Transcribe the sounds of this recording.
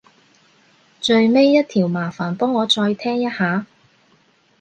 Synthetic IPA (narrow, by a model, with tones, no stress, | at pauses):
t͡ʃɵ˧ɥme˥jːɐ˥t̚t̪ʰiː˨˩wmaː˨˩faː˨˩npɔː˥ŋːɔː˨˧t͡ʃɔː˧jt̪ʰɛː˥ŋjɐ˥t̚haː˨˥